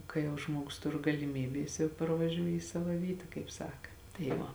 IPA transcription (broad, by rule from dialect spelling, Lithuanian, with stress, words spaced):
ˈkɐɪ jɛʊ ˈʒmuɔɡʊs ˈtʊr ɡɐlʲɪˈmʲiːbʲeː ˈjɪs jɛʊ pɐrʋɐˈʒʲuː iː ˈsɑːʋɐ ˈʋʲiːtɐ kɐɪp ˈsɑːkɐ tɐɪ ˈʋɐ